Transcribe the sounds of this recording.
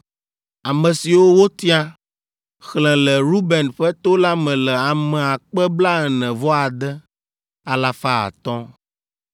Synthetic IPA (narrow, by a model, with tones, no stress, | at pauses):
a˨mɛ̃˨si˨wo˦wo˦t̪i˦a˦ | xlɛ̃˨lɛ˨ɾu˦bɛ˨nɸɛ˦t̪o˦la˦mɛ̃˨lɛ˨a˨mɛ̃˨a˨k͡pɛ˦bla˦ɛ˨nɛ̃˨vɔ˦a˨d̪ɛ˦ | a˨la˨fa˦a̰˨t̪ɔ̃˦